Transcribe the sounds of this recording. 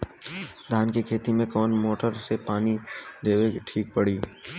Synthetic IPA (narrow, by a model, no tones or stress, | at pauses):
d̪ʱaːnkekʰeːt̪imẽkɔːnmoːʈəɾsepaːnid̪eːweʈʰiːk̚pəɽiː